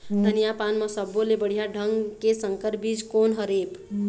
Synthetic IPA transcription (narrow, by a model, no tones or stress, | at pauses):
d̪ʱənijapanməsəbːolebəɽ̤ijaɖʱəŋɡkesəŋkəɾbid͡ʒkonɦəɾep